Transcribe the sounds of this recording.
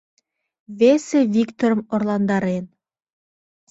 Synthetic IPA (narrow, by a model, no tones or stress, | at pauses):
βesevikt̪oɾəmorlˠɑnd̪ɑɾen